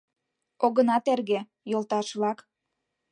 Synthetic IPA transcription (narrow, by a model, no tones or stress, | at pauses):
oɣənɑt̪erɣĕ | jolˠt̪ɑʃlɑk